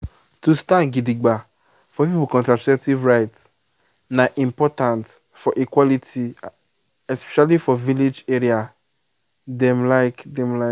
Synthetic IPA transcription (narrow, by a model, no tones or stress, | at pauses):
tustãnɡidiɡ͡ba | fɔpipukɔ̃ntɾasɛk̚tivɹaɪts | naʔĩmpɔtãnt | fɔʔikwɔlitʰi | ɛspɛ̥ʃalifɔviled͡ʒeɾia | dɛ̃mlaɪkdɛ̃mla